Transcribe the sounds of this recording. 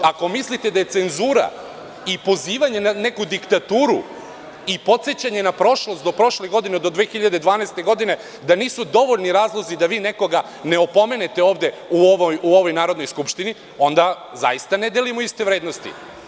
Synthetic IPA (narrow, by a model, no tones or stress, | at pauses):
ako̞mislit̪e̞d̪aje̞t̪se̞nzuːɾa̰ | ipo̞ziːʋaɲenane̞kud̪ikt̪at̪uːɾu | ipo̞t̪se̞t͡ɕaɲe̞napɾo̞ʃlˠo̞st̪d̪opɾo̞ʃleɡo̞d̪ined̪o̞d̪ʋexiʎad̪ed̪ʋaːnaest̪e̞ɡo̞d̪ine̞ | d̪aniːsud̪o̞ʋo̞ʎniɾaːzlˠo̞zid̪aʋiːne̞ko̞ɡa | ne̞opo̞me̞net̪e̞o̞ːʋd̪euoʋojuo̞ʋo̞jnaːɾo̞d̪no̞jskupʃt̪ini | o̞nd̪a | za̰ist̪aned̪elimoist̪e̞ʋɾeːd̪nost̪ḭ